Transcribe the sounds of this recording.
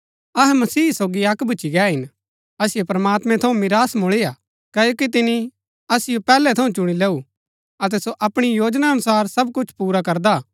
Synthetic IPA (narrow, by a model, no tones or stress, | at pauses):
ɐɦɛmɐsiːsoːɡiɐkbʱʊt͡ʃiɡɛːɦɪn | ɐsɪjopɾɐmaːt̪mɛ̃t̪ʰɐũmɪɾaːsmʊɭeːja | kɐːjoːkit̪ɪni | ɐsɪjopɛːlɛt̪ʰɐũt͡ʃʊɽ̃ileːu | ɐt̪̬ɛsoʔɐpɽ̃ijoːd͡ʒnaɐnʊsaːɾsɐb̚kʊt͡ʃʰpuːɾakɐɾd̪a